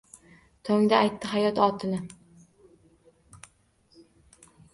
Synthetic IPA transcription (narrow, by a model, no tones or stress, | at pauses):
t̪ʰoŋd̪aːjt̪ːɪɦajɒt̪ɒt̪ʰɪnɪ